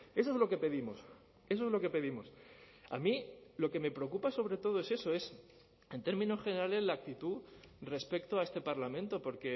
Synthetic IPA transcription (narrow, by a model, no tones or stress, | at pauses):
e̞s̬oe̞zlo̞ke̞pe̞ðimo̞s | e̞s̬oezlo̞ke̞pe̞ðimo̞s | a̰mĩlo̞ke̞me̞pɾeo̞kupaso̞β̞ɾe̞t̪o̞ð̞oe̞se̞so̞e̞s | e̞nt̪e̞ɾmĩno̞sxene̞ɾale̞zlak̚t̪it̪u | re̞spe̞kt̪oae̞st̪e̞paɾlamẽnt̪o̞po̞ɾke̞